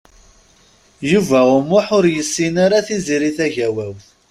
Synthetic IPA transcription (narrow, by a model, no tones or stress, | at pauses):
juvæʊmːʊħʊɾjəsːinaɾaθiziɾiθæʝæwæw